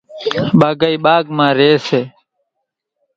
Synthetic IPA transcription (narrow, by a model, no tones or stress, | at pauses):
ɓaːɡəiːɓaːɡmãːɾeːseː